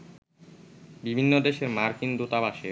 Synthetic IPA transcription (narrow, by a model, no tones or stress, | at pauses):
bibʱinːod̪eʃeɾmaɾkind̪ot̪abaʃe